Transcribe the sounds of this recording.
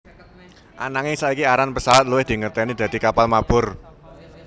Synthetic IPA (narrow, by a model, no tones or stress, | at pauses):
ʔanaŋɪsaikiaɾanpəsawat̪̚luwɪhd̪̥i̤ŋərt̪ɛnid̪̥a̤d̪̥i̤kapalmab̥ʊr